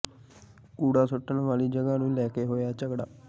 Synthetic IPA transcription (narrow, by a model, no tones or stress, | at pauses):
kuːɽaːsʊʈːənʋaːliːd͡ʒəɡãːnũːlɛːkeːɦoːjaːt͡ʃəɡɽaː